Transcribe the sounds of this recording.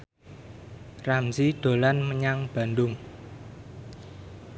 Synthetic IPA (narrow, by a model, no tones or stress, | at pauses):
ramsid̪̥o̤lanməɲaŋb̥a̤nd̪ʊŋ